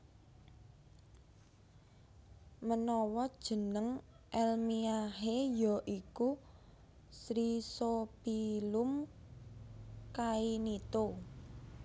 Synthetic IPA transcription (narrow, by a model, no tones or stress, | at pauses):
mənɔwɔd̥ʒ̥ə̤nəŋ | ʔɛlmiaɦejɔʔiku | sɾisopilum | kainit̪o